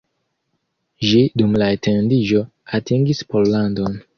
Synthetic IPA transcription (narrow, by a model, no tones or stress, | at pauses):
ʃidumlaetʰendid͡ʒo̞ | atiŋɡispollandon